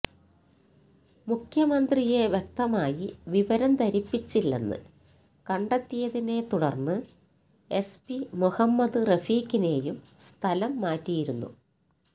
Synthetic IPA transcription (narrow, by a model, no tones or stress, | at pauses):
mukʰjɐmɐnd̪rijeʋjek̚t̪ɐmaːjiʋiʋɐɾɐmt̪ɐɾipːit͡ɕːilːḛnːɨ̰ | kɐɳɖɐt̪ːijɐðine̞t̪uɽɐrnːɨ | e̞spimuhɐmːɐd̪ɨrɐfiːkine̞ːjumst̪ʰɐlɐmːaːtːijiɾunːṵ